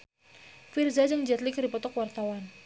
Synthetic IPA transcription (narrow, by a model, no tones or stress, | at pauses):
firzad͡ʒəŋd͡ʒɛt̪likrdipɔt̪ɔkwart̪awan